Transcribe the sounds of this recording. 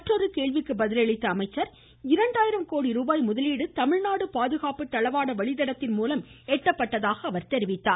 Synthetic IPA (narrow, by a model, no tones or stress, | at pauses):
ɐʈrɔɾɯkeːɭʋɪkːɯbɐðɪlɐɭɪt̪ːɐɐmɐɪt͡ʃːɐɾ | ɪɾɐɳɖaːjɪɾɐmkoːɽiɾuːbaːjmʊðɐliːɽɯt̪ɐmɪɻnaːɽɯpaːðɯɣaːpɯt̪ːɐɭɐʋaːɽɐʋɐɭɪðɐɽɐt̪ːɪnmuːlɐmɛʈːɐpːɐʈːɐðaːɣɐːʋɐɾt̪ɛɾɪʋɪt̪ːaːɾ